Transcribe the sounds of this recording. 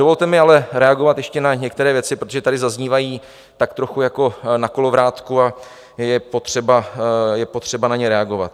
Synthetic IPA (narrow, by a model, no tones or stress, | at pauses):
dovo̞lt̪ɛmɪalɛɾɛaɡo̞vat̪jɛʃcɛnaɲɛk̚t̪ɛɾɛːvjɛt͡sɪpɾot̪oʒɛt̪adɪzazɲiːvajiː | t̪akt̪ɾo̞xujako̞nako̞lo̞vɾaːt̪kua | jɛpo̞t̪r̝̥ɛbajɛpot̪r̝̥ɛbanaɲɛɾɛaɡo̞va̰t̪̚